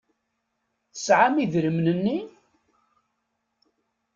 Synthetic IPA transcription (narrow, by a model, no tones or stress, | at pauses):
θə̥sʕamiðɾəmnənːi